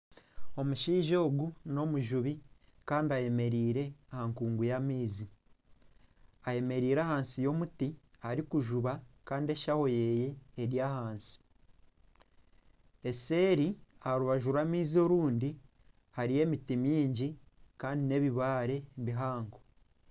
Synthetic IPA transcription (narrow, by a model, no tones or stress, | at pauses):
o̞muʃiːʒo̞ːɡuno̞muʒuβi | kaːndiaje̞me̞ɾiːɾe̞ahaŋkuːŋɡujamiːzi | aje̞me̞ɾiːɾaːhaːnsijo̞muti | haɾikuʒuβakaːndie̞ʃaho̞je̞je̞ːɾjaːhaːnsi̥ | e̞se̞ːɾiaɾuβaʒuɾwaːmiːzio̞ɾuːndi | haɾije̞mitimiːɲɟikaːndine̞βiβaːɾe̞βiɦaːŋɡo